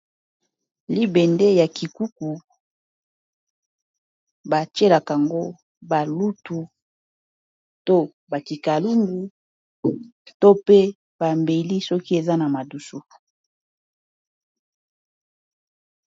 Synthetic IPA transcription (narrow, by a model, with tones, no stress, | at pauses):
li˦be˨nde˦ja˨ki˨ku˦ku˨ | ba˨t͡ʃe˦la˨ka˨ŋɡo˦ | ba˨lu˦tu˨ | to˦ | ba˨ki˨ka˨lu˦mɡu˨ | to˦pe˦ | ba˨mbe˨li˦sɔ˦ki˦e˨za˦na˨ma˨du˨su˦